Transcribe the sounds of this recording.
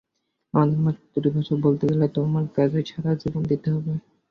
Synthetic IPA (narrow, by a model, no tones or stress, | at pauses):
amad̪eɾmat̪uɾibʱaʃobolt̪ed͡ʑelet̪omaɾkad͡ʑet͡ɕʰaɾad͡ʑibond̪it̪eɦɔbe